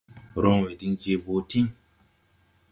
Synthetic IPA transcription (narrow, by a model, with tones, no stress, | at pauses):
ɾɔ˦ŋwe˨di˦nd͡ʒe˦bo˨˦ti˦